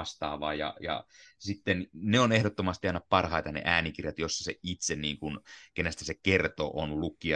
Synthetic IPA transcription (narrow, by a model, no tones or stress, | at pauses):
st̪ɑ̰ːʋɑ̰ːjɑ̰jɑ̰sit̪ːenneonehdot̪ːomɑst̪iɑnːɑppɑrhɑit̪ɑnḛʔæːnikirjɑt̪josːɑ̥seit̪senniːŋkunkenæst̪æsekert̪o̰ʔonlukːˑiɑ